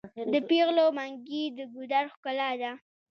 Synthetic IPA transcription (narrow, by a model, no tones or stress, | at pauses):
d̪əpeɣlomaŋɡid̪əɡud̪aɾxkʊlɑd̪a